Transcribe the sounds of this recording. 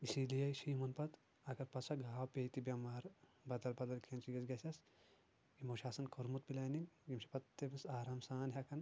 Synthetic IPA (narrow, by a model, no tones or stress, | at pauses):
isilijɐjʃiːmɐnpɐt̪ | ɐkɐɾpɐt̪sʰɐɡʱaːwpʲejt̪ibʲɐmaːɾbɐd̪ɐlbɐd̪ɐlkʰent͡ʃiɡɐsɡɐsʲɐs | ɡimoːʃaːsɐnkʰoɾmut̪̚pilaːninɡimʃi̥pɐt̪ːemisaːɾaːmsaːnɦʲɐkʰɐn